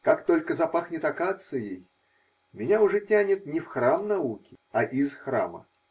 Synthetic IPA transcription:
kakt̪o̞lʲkəzɐpaxnʲɪt̪ɐkat̪sɨjej | mʲɪnʲaʊʐɛtʲænʲɪt̪nʲɪfxramnɐukʲɪɐʔizxra̰mə̰

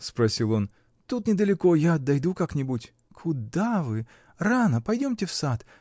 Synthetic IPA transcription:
spɾɐsʲilˠo̞n | t̪ut̪nʲɪd̪əlʲɪko̞jaɐd̪ːɐjd̪ukaknʲɪbutʲ | kʰʊd̪avɨ | ranəpɐjdʲo̞mtʲɪfsat̪

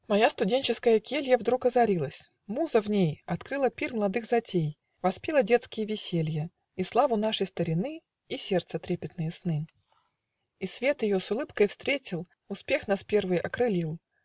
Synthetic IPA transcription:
mɐjast̪ʊdʲenʲt͡ɕɪskəjəkʲelʲjəvd̪ɾukɐzɐɾʲilˠəsʲ | muzəvnʲejɐt̪kɾɨlˠəpʲirməlˠɐd̪ɨxzɐtʲej | vɐspʲilˠədʲet̪skʲɪjəvʲɪsʲelʲjə | islˠavʊnaʂəjst̪əɾʲɪnɨ | isʲert̪sət̪ɾʲepʲɪt̪nɨjəsnɨ | isvʲe̞t̪jɪjosʊlˠɨpkəjfst̪ɾʲetʲɪlˠ | ʊspʲe̞xnaspʲe̞rvɨjɐkɾɨlʲilˠ

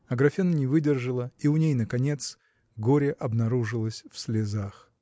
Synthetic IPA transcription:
ɐɡɾɐfʲinənʲɪvɨdʲɪrʐɨlˠəiʊnʲejnəkɐnʲe̞t̪s | ɡoɾʲɪʔɐbnɐɾuʐɨlˠəsʲfsʲlʲɪzax

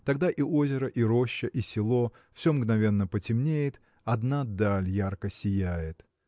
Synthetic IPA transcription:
t̪ɐɡd̪aʔiʔo̞zʲɪɾəʔiɾo̞ɕːəʔisʲɪlˠo̞ | fsʲomɡnɐvʲe̞nːəpətʲɪmnʲejɪt̪ | ɐd̪nad̪alʲjarkəsʲɪjæjɪt̪

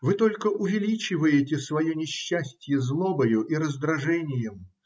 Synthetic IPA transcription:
vɨt̪o̞lʲkəʔʊvʲɪlʲit͡ɕɪvəjɪtʲɪsvɐjonʲɪɕːæsʲtʲɪjəzlˠobəjʊʔiɾəzd̪ɾɐʐɛnʲɪjəm

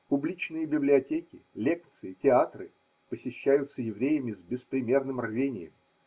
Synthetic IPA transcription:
pʊblʲit͡ɕnɨjəbʲɪblʲɪɐtʲekʲɪlʲe̞kt̪sɨɪtʲɪat̪rɨ | pəsʲɪɕːæjʊt̪səjɪvɾʲejəmʲɪzʲbʲɪspɾʲɪmʲe̞rnɨmrvʲenʲɪ̰jə̰m

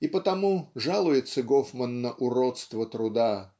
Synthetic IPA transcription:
ɪpət̪ɐmuʐalˠʊjɪt̪səɡofmənːəʔʊɾot̪st̪vət̪ɾʊd̪a

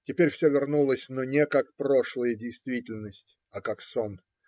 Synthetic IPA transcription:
tʲɪpʲeɾʲfsʲɵvʲɪrnulˠəsʲnonʲekakpɾo̞ʂlˠəjədʲɪjst̪vʲitʲɪlʲnəsʲtʲ | akakson

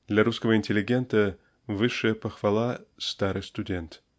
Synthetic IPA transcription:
d̪̥lʲaɾuskəvəinʲtʲɪlʲɪɡʲe̞nt̪ə | vɨʂɨjəpɐxvalˠast̪aɾɨjst̪udʲe̞nt̪

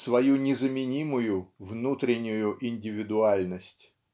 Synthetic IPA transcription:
svɐjunʲɪzəmʲɪnʲimʊjʊvnut̪ɾʲɪnʲːʊjʊʔɪnʲdʲɪvʲɪd̪ʊalʲnəsʲtʲ

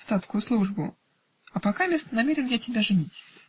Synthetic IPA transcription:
st̪at̪skʊjʊslˠuʐbʊ | ɐpɐkamʲest̪ənɐmʲeɾʲɪnjatʲɪbʲaʐɨnʲitʲ

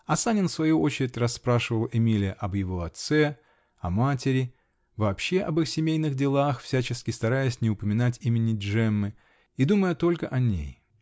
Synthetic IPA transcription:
ɐsanʲɪnfsvɐjuo̞t͡ɕɪɾʲɪtʲrɐspɾaʂɨvəlˠɪmʲilʲɪjəʔɐbjɪvo̞ɐt̪sɛ | ɐmatʲɪɾʲɪ | vɐːpɕːe̞ʔɐbɨxsʲɪmʲejnɨɣdʲɪlˠaxfsʲæt͡ɕɪskʲɪst̪ɐɾajɪsʲnʲɪʊpəmʲɪnatʲimʲɪnʲɪʐɛmːɨ | id̪uməjət̪o̞lʲkəʔɐnʲḛj

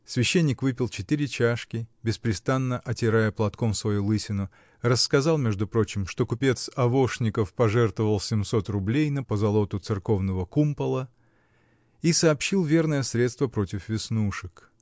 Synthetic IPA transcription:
svʲɪɕːenʲːɪkvɨpʲɪlˠt͡ɕɪt̪ɨɾʲɪt͡ɕaʂkʲɪbʲɪspɾʲɪst̪anːəʔɐtʲɪɾajəplˠɐt̪ko̞msvɐjulˠɨsʲɪnʊ | rəsːkɐzɑlˠmʲeʐd̪ʊpɾo̞t͡ɕɪmʂt̪o̞kʊpʲe̞t̪sɐvo̞ʂnʲɪkəfpɐʐɛrt̪vəvəlˠsʲɪmso̞t̪rʊblʲejnəpəzɐlˠo̞t̪ʊt̪sɨrko̞vnəvəkumpəlˠə | isɐːpɕːilˠvʲe̞rnəjəsɾʲet̪st̪vəpɾo̞tʲɪfvʲɪsnuʂɨk

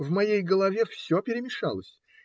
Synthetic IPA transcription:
vmɐjejɡəlˠɐvʲe̞fsʲopʲɪɾʲɪmʲɪʂa̰lˠəsʲ

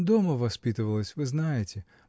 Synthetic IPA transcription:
d̪oməvɐspʲit̪ɨvəlˠəsʲvɨznajɪtʲɪ

